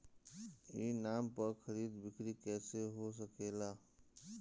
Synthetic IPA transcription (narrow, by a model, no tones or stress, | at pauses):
inampəɾkʰəɾid̪bikɾikɛseɦos̬əkela